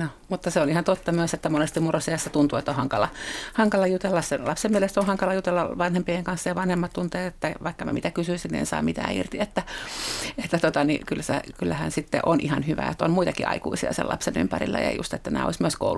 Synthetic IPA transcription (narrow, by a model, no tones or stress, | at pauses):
no | mut̪ːɑseonihɑnt̪ot̪ːɑmyøset̪ːæmonest̪immurosejɑsːɑt̪unt̪uet̪ːohɑŋkɑlɑhɑŋkɑlɑjut̪elːɑsselɑpsemmielest̪ohɑŋkɑlɑjut̪elːɑʋɑnhempieŋkɑnsːɑjɑʋɑnhemːɑt̪t̪unt̪eːtet̪ːæʋɑikːɑmæ̰mit̪ækysyisinniḛnsɑ̰ːmit̪æ̰ːḭrt̪iet̪ːæ | et̪ːæt̪ot̪ɑnḭkylːsḛkylːæhænsit̪ːḛʔonʔihɑnhyʋæ̰ot̪ːonmuit̪ɑkiʔɑ̰ikuisiɑ̰sḛlʔɑ̰pseny̰mpæɾḭlːæ̰jɑ̰jṵst̪et̪ːænæ̰ːo̰ismyøsko̰ul